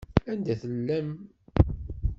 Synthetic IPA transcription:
ænd̪æθəlːæm

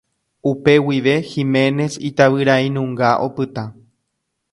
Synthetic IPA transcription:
upe̞wiʋeximẽ̞ne̞sit̪aʋɨɾaĩnũŋɡaʔo̞̰pɨt̪ã

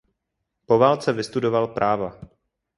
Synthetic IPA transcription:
po̞vaːlt͡sɛvɪst̪udo̞valpɾʔaːva

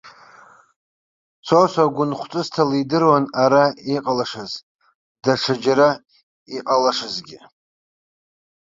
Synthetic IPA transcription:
t͡sʰosʷaɡʷʊnχʷt͡sʼɨstʰalidɨrwanaɾaiqʼalaʂɨz | d̥aʈ͡ʂʰad͡ʒaɾa | iqʼalaʂɨzɡʲɪ

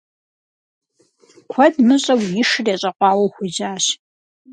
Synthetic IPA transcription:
kʷʰɔdmɨɕʼɐwjɪʂɨreːɕʼɐqʷɑːwɐwxʷid͡ʒaːɕ

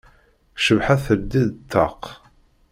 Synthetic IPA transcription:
ʃəvħaθəɾd̪iðt̪ʰːɑ̰q

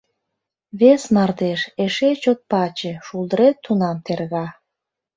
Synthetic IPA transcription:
βesnɑrd̪eʃeʃet͡ɕot̪̚pɑt͡ɕeʃulˠd̪əɾet̪ʰːunɑmt̪erɣɑ

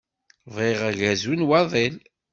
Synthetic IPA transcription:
veʁæʝæzunwɑðˤel

